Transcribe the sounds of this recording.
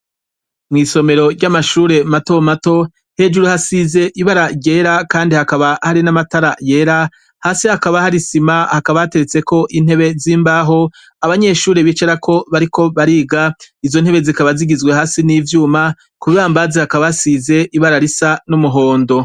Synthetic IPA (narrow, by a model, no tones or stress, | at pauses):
mŋiːso̞me̞ɾo̞ɾɟamaʃuːɾe̞mato̞mato̞ | he̞d͡ʒuɾuhasize̞ʔiβaɾaɟe̞ːɾakaːndihakaβahaɾinamataɾaje̞ːɾa | haːsihakaβahaɾisimahakaβahate̞ɾet͡se̞ko̞ʔin̥he̞βe̞ziːmbaːɦo̞ | aβaɲe̞ʃuːɾeβiːt͡ʃeɾakʰo̞βaɾikʰo̞βaɾiːɡaizo̞n̥he̞βe̞zikaβaziɡizɡwe̞haːsiniːvjuːma | kuββaːmbazehakaβasize̞ʔiβaɾaɾisanumuɦo̞ːndo̞